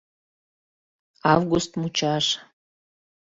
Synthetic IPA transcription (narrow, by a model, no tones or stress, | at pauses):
ɑvɡust̪mut͡ʃɑʃ